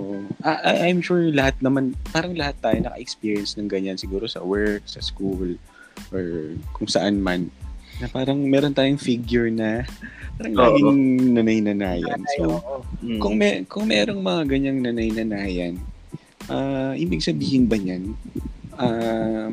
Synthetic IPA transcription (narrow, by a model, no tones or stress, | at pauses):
ʔoʔoʔaʔaʔajmʃuɹlɐhat̪̚nɐmanpaːɾɐŋlɐhat̪ːaːjonɐkɐ̰ʔɛkspiːɹijɐnsnɐŋɡɐɲansɪɡuːɾo̞sɐ̰wɛɹk̚sɐskul | ʔoɹkʊŋsɐʔanmannɐpaːɾɐŋmɛːɾont̪aːjʊŋfiɡjʊɹnɐpaːɾɐŋlaːɡɪŋnɐnɐjnɐnaːjɐ̰nsokʊŋmɛkʊŋmɛːɾo̞ŋmɐŋaɡɐɲaŋnɐnɐjnɐnaːjɐn | ʔaʔɪbɪɡsɐbiːhɪnbɐɲanʔa